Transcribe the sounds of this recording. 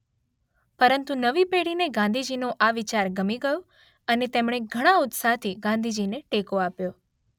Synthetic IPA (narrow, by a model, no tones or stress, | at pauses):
pəɾənt̪unəʋipeɽineɡãn̆d̪ʱid͡ʒinoʔaʋɪt͡ʃaɾɡəmiɡəjo | ənet̪emɽ̃eɡʱəɽ̃aʊt̪sat̪ʰiɡãnd̪ʱid͡ʒineʈekoapjo